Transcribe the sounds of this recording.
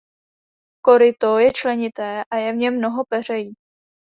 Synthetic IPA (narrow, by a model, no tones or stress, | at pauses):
ko̞ɾɪt̪ojɛt͡ʃlɛɲɪt̪ɛːʔajɛvɲɛmːno̞ɦo̞pɛr̝ɛjiː